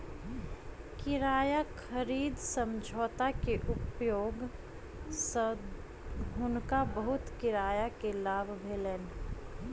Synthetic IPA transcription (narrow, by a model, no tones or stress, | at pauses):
kɪɾaːjakʰəɾiːd̪sə̃md͡ʒʱɔːt̪akeʔʊpjoːɡ | sə | ʊnkabəɦʊt̪kɪɾaːjakelaːbʱbʱeːleːn